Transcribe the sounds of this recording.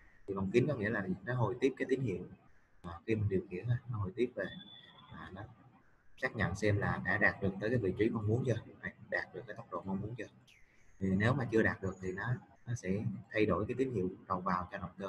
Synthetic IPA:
t̪ʰi˨˩və˨˩wŋ͡mki˨˦nkɔ˨˦ŋḭ˧˥əlaː˨˩˨nɔ˨˦ɦo˨˩jt̪i˦˥p̚kaː˨˦jt̪i˨˦ŋ̟hḭ˧˨əwaː˨˩xi˧mi˨˩ŋ̟ɗi˨˩əwŋḭ˧˥ənhə˧t̚nɔ˨˦ɦo˨˩jt̪i˦˥əp̚ve˨˩maː˨˩nɔ˨˦ | saː˦˥k̚ɲə̰˧˨nsɛ˧mlaː˨˩ɗa̰ː˧˥ɗaː˨˩t̚ɗɨ˨˩k̚t̪əː˨˦jkaː˨˦jvḭ˧˨t͡ɕi˨˦ma˧wŋ͡mmu˨˦ənt͡ɕəː˧ha˨˩jɗaː˨˩t̚ɗɨ˨˩kːt̪ə˦˥wk͡p̚ɗo̰˧˨mə˧wŋ͡mmu˨˦ənt͡ɕəː˧ | t̪ʰi˨˩ne˨˦wmaː˨˩t͡ɕɨ˧əɗaː˨˩t̚ɗɨ˨˩ək̚t̪ʰi˨˩nɔ˨˦ | nɔ˨˦sɛ̰˧˥t̪ʰa˧jɗo˧˩jkaː˨˦jt̪i˨˦ŋ̟hḭ˧˨əwɗə˨˩wvaː˨˩wt͡ɕɔ˧nə˨˩wŋ͡mkəː˧

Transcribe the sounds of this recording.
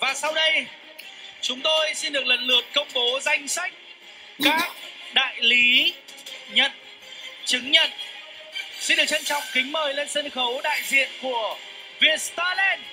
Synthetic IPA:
vaː˨˩sa˧wɗə˧j | t͡ɕʊ˨˦ŋ͡mt̪o˧jsi˧nɗɨ˨˩ək̚lə˨˩nlɨ˨˩ət̚kə˧wŋ͡mɓo˨˦za˧jŋ̟sa˦˥jk̟̚ | kaː˦˥k̚ɗa̰ː˧˨jli˨˦ | ɲə˧˨t̚ | t͡ɕɨ˨˦ŋɲə˧˨n | si˧nɗɨ˨˩ək̚t͡ɕə˧nt͡ɕɔ̰˧˨wŋ͡mkï˨˦ŋ̟məː˨˩jle˧nsə˧nxə˨˦wɗa̰ː˧˨jzḭ˧˨ənku˧˩ə | vi˧˩ətst̪aː˧lɛ˧n

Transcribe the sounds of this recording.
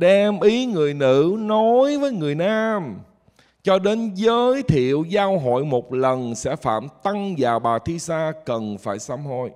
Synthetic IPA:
ɗɛ˧mʔi˨˦ŋɨ˨˩əjnɨ̰˧˥no˨˦jvəː˨˦jŋɨ˨˩əjnaː˧m | t͡ɕɔ˧ɗe˨˦nzəː˨˦jt̪ʰḭ˧˨əwzaː˧wɦo̰˧˨jmo˨˩t̚lə˨˩nsɛ̰˧˥fa̰ː˧˨mt̪a˧ŋzaː˨˩wɓaː˨˩t̪ʰi˧saː˧kə˨˩nfaː˧˩jsa˧mh̪o˧j

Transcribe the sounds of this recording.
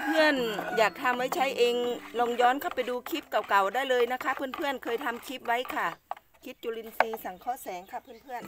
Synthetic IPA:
ŋɤ˧˩˨ənjaː˨˩k̚t̪ʰa˧mʋa˦˥jt͡ɕʰa˦˥jʔeː˧ŋlɔ˧ŋjɔː˧˥˨nkʰa˧˥˩wpa˨˩jduː˧kʰi˦˥p̚ka˨˩wka˨˩wdaː˥˨jlɤː˧jna˧˥kʰa˦˥pʰɯː˧˥ə˨npʰɯ˧˩ənkʰɤː˧jt̪ʰa˧mkʰi˧˦˥p̚wa˦˥jkʰa˧˩ | kʰi˦˥t̪̚t͡ɕu˧˨li˧nsiː˧sa˨˩ŋkʰɔː˧˥˨sɛː˨˦ŋkʰa˧˩pʰɯː˧˥˨npʰɯ˧˥˩ən

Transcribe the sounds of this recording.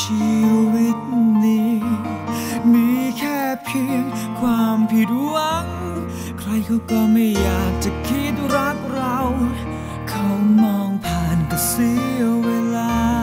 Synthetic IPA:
t͡ɕʰi˧wi˦˥t̪̚niː˦ | miː˧˥kʰɛː˥˩pʰi˧˥ | kʰwaː˧mpʰi˧˩tu˧˥a˧ŋ | kʰɾa˧jkʰa˧˩wk̪ɔː˧˩ma˧˩jjaː˨˩k̚t͡ɕa˨˩kʰi˧˥˩t̪̚ɾa˦˥k̚ɾa˧w | kʰa˧˦˥wmɔː˧ŋpʰaː˨˩nka˨˩si˧˥ə˧weː˧laː˧

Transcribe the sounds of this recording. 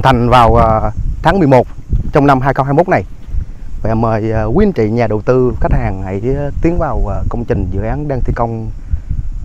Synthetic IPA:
ŋt̪ʰa˨˩jŋ̟vaː˨˩wt̪ʰaː˨˦ŋmɨ˨˩əjmo˨˩t̚t͡ɕɔ˧wŋ͡mna˧mɦaː˧jxə˧whaː˧jmo˦˥t̚na˨˩j | vaː˨˩məː˨˩jkwi˧ənt͡ɕḭ˧˨ɲaː˨˩ɗə˨˩wt̪ɨ˧xa˦˥k̟̚haː˨˩ŋha̰˧˥jt̪i˨˦ənvaː˨˩wkə˧wŋ͡mt͡ɕï˨˩ŋ̟zɨ̰˧˥əʔaː˨˦nɗaː˧t̪ʰi˧˩kə˧wŋ͡m

